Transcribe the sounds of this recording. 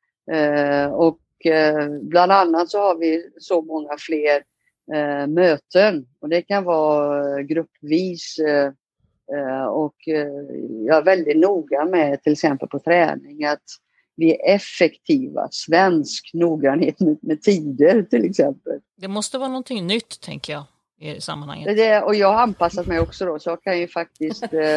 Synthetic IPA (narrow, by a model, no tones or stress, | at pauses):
ɔk | bland̪anːat̪sɔhaɾvɪsɔmɔŋːafleːɾ | møːt̪ʰənɔd̪ɛkʰanvɑːɡɾɵpːviːs | ɔk | jɑːaɾvɛld̪ɪt̪nuːɡɾamɛt̪ʰɪlɛksɛmpəlpʰɔt̪ʰɾɛːnɪŋat̪ | vɪæɾʔɛfːɛkt̪ʰiːva̰svɛnsknuːɡɾanheːt̪mɛmɛt̪ʰiːd̪əɾt̪ʰɪlɛksɛmpəld̪ɛmɔst̪əvɑːnɔnt̪ʰɪŋnʏt̪ːʰɛ̰ŋkəjɑː | ɪsa̰mːanha̰ŋːəd̪ɛɔjɑːɡaanpasːat̪mɛjɔksɔd̪ɔsɔjɑɡkʰanjɵfak̚t̪ɪst̪